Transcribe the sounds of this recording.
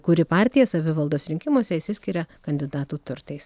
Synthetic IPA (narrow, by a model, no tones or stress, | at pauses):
kʊɾʲɪpɑːˑɾʲt̪ʲɪjɛsɐʋʲɪʋɐlˠd̪oːsɾʲɪŋʲkʲɪmoɔsʲɛisʲɪsʲkʲɪɾʲɛkɐnʲd̪ʲɪd̪ɑːt̪uːt̪ʊɾt̪ɐɪs